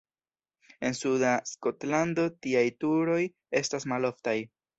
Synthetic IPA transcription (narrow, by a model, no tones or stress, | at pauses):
e̞nsudasko̞tlando̞tiajtuɾo̞j | e̞stasmalo̞ftaj